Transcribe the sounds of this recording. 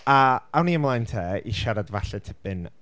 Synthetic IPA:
əawniəmlˠajntʰɛːḭʃaɾadvaɬɛtʰəbɨn

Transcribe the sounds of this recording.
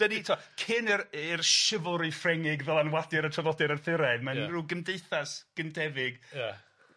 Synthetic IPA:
d̥ənitʰɔkʰɪnɪɾɪrʃɪvʊlˠɾifrɛŋɪɡðəlˠanwadɪɾətʰrɔðɔdɪɾənθɪɾɛðmaruːɡəmdejθasɡ̥əndɛvɪɡja

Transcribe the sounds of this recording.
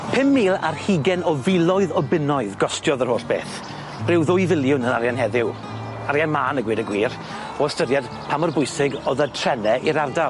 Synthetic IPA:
pʰɪmːiːlˠa̰rhiɡɛnɔvɪlˠɔɨðɔbɪnɔɨðɡɔstjɔðər̥hoːɬb̥ḛːθ | b̥rɪwðʊjvɪlˠjʊnənaɾjanɦɛðɪw | aɾjanmaːnəɡwiːdəɡwiːr | ɔəstədjad̥ | pʰamɔrbʊjsɪɡɔðətʰr̥ɛnɛʔiɾardalˠ

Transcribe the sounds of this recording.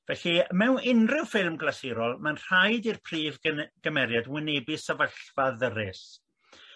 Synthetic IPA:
vɛɬimɛwnɪnrɪwfɪlˠmɡlˠasɪɾɔlˠmanr̥ajdirpʰriːvɡ̥əmɛɾjadwɪnɛbɪsavəɬvaðəɾɪs

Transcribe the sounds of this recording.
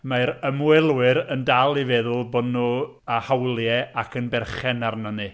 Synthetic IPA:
maɾəmwɛlˠwɨɾəndalˠivɛðʊlˠbodnuː | ahawlˠjɛakʰənbɛrχɛnarnənɨ

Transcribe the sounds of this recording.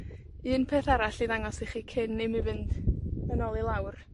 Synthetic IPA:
ɨːnpʰeːθaɾaɬiðaŋɔsiχiːkʰɪnːemivɨndənɔlˠilˠawr

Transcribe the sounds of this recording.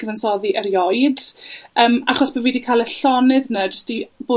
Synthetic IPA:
ɡ̥əvənsɔðiʔəɾjɔɨd̥əːmaχɔsb̥əviːdikʰaːlˠəɬɔnɨðnəd͡ʒəstib̥oː

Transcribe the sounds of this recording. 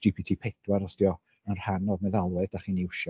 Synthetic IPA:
d͡ʒipʰitʰiːpʰɛtdwaɾɔsdjɔ | ənr̥hanɔvmɛðalˠwɛðd̥aχiːniʊʃɔ

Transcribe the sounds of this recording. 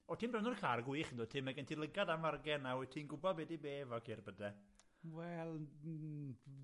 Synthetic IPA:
ɔtʰimbrɛwnɔrkʰarɡwɪːχəndoːtʰɪmɛɡɛntʰilˠəɡadanvarɡɛnːawɛtʰiːnɡʊbɔdbɛdibeːvɔkʰirbədɛ | wɛlˠ

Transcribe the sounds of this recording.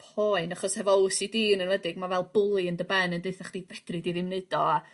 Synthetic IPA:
pʰoːɨnaχɔshɛvɔwsidiːnənvədɪɡmavɛlˠbʊlˠiəndəbɛnəndeɨθaχd̥ivɛd̥rɨdiðɪmnɨdɔa

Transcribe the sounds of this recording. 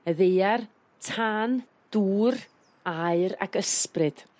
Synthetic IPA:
əðejar | tʰaːn | d̥uːr | aɨɾa̰ɡəsprɨd̥

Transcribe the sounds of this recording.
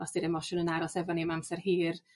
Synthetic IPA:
ɔsd̥iɾɛmɔʃʊnənaɾɔsɛvɔnemamsɛrhiːr

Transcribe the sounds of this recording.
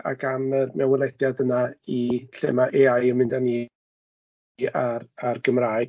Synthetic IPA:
a̰ɡamərmɛwəlˠɛdjadənaiɬḛmaʔeajəmɪndani | ararɡəmraːj

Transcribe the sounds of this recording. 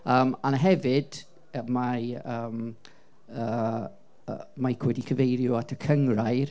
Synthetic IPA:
əːmanɦɛvɨd̥ | əmaəːm | ə | əmakʰwɛdikʰəvejɾjʊatʰəkʰəŋrajr

